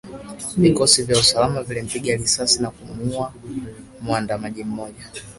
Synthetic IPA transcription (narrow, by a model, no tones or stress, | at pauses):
vikɔsivjausalamavilim̩piɡalisasinakumua | muandamaʄim̩mɔʄa